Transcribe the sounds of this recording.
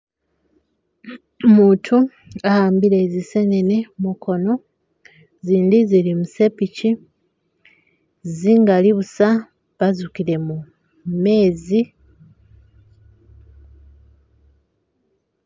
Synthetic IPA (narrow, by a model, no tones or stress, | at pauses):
muːtʰu | ahaːmbiɾe̞ːzise̞nene̞mukʰo̞no̞ | ziːnd̪izilimuse̞pici | ziŋɡaliβusa | βazukiɾe̞mu | me̞ːzi